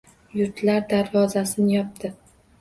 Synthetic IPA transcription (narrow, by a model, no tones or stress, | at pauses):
jʊɾt̪ʰlaɾd̪aɾvɒzasɪnɪjɒp̚t̪ɪ